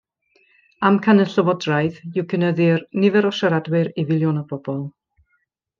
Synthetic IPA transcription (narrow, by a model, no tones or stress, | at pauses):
amkʰanəɬəwɔdrajðɪwkʰənəðɪrnɪvɛɾɔʃaɾadwɪɾivɪlˠjɔnəb̥ɔb̥ɔlˠ